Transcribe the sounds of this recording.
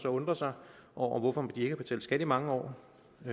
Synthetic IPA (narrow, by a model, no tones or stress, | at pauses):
sɒ̽ɔ̽nd̥ʁɐsɑ̈ɪʔɒʊ̰ɐʋɒfɒ̽med̥ie̝ɡ̥əæb̥e̝t͡sʰɛ̰ːlsɡ̥æd̥imɑ̈ŋəɒ̰ː